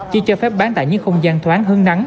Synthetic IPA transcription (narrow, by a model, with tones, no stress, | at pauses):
t͡ɕi˧˩t͡ɕɔː˧fɛ˦˥p̚ɓaː˨˦nt̪a̰ː˧˨jɲɨ̰˧˥ŋxə˧wŋ͡mzaː˧nt̪ʰwaː˨˦nɦɨ˨˦əŋna˨˦ŋ